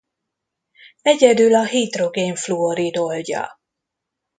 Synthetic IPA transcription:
ɛɟɛd̪ylɒɦit̪roɡeːɱfluoɾid̪olɟɒ̰

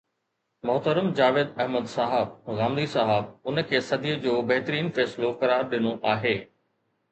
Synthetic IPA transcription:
mʊɦt̪əɾəmd͡ʑaːʋeːd̪ɐɦməd̪saːɦəb̚ɣaːmd̪isaːɦəb̚ʊnə̆kʰeːsɐd̪ijəd͡ʑoːbɐɦt̪əɾiːnfɛːsɪlokɐɾaːɾɗɪnoʔaːɦeː

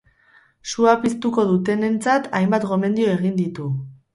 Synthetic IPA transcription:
suapist̪uko̞ðut̪e̞ne̞nt͡sat̪ajmbat̪ɣo̞me̞nd̪io̞e̞ɣ̞ind̪it̪u

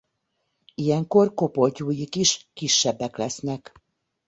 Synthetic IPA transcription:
ijɛŋko̞rko̞po̞ɟuːjikiʃkiʃːɛbːɛklɛsnɛk

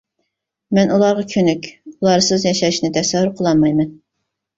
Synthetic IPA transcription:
mɛnulˠɑɾʁɑkʲʰønykʲulˠɑɾsɨzjɑʃɑʃnɨt̪ʰɛsɛɦːyɾqʰəlˠɑnmɑjmɛn

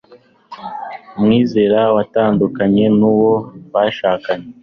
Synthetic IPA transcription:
umŋiːze̞ɾawataːndukaɲe̞nuwo̞βaʃaːkaɲe

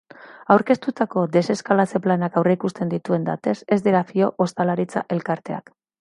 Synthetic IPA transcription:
awɾke̞st̪ut̪ako̞d̪e̞se̞skalat͡se̞planakawreikust̪e̞nd̪it̪ue̞nd̪a̰t̪e̞se̞zd̪eɾafio̞ʔost̪alaɾit͡sa̰ʔe̞lkaɾt̪e̞a̰k

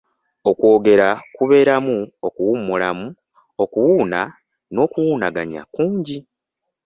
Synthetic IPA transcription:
o̞kwo̞ːɡe̞ɾakuβe̞ːɾamuokuwumːulamu | o̞kuwuːna | no̞kuwuːnaɡaɲa̰kuːɲɟi

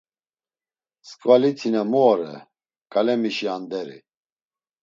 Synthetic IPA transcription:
skʼvalit̪ʰinamɔɔɾɛ̰ | kʼalɛmiʃiand̪ɛɾḭ

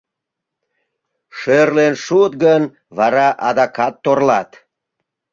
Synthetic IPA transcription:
ʃørlenʃut̪̚ɡən | βɑɾɑʔɑd̪ɑkɑt̪ːorlɑt̪

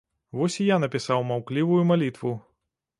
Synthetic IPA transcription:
vɔsʲijanɐpʲisawmawklʲivujumalʲit̪vu

